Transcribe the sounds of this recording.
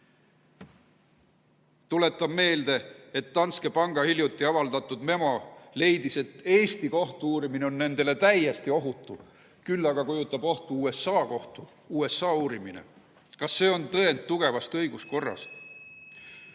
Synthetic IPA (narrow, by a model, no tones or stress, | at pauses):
t̪ule̞t̪ːˑɑbme̞ːld̪e̞et̪ːɑnske̞pɑŋɡ̥ɑhilʲjut̪ːˑiɑvɑld̪̥ɑt̪ːˑud̪̥me̞mɑle̞jd̪̥ise̞t̪ːe̞ːst̪iko̞ht̪uuːɾimine̞o̞nːe̞nd̪̥e̞le̞t̪æje̞st̪io̞ɦut̪ːˑu | kylːɑɡ̥ɑkujut̪ːˑɑb̥o̞ht̪uuːesɑːko̞ht̪u | uːe̞sɑːuːɾiminḛ | kɑsːe̞ːo̞nt̪ɤend̪̚t̪ːuɡ̥e̞vɑst̪ɤ̞jɡ̥usko̞rːɑ̰st̪